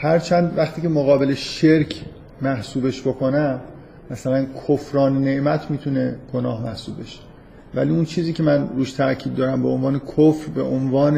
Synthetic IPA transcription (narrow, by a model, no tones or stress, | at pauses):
hæɾt͡ʃʰænd̪væχt̪ʰiːcemoɣɒːbe̞leʃeɾcʰ | mæhsuːbe̞ʃbokʰo̞næ | mæsælænkʰofɾɒːnene̞ʔmæt̪ʰmiːt̪ʰune̞ɡ̥onɒːhmæhsuːb̚be̞ʃe̥ | væ̰liːunt͡ʃʰiːziːcʲʰe̞mænɾuːʃt̪ʰæɾcʰiːb̪̚d̪ɒːɾæmbeonvɒːnekʰofɾbḛʔonvɒːne